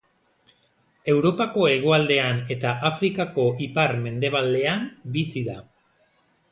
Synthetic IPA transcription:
e̞wɾo̞pako̞e̞ɣ̞o̞ald̪e̞ane̞t̪aʔafɾikako̞ʔipaɾme̞nd̪e̞β̞ald̪e̞ambisiða

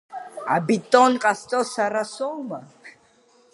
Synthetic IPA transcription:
a̰bit̪ʼɔnqʼast̪ʼɔsaɾasɔma

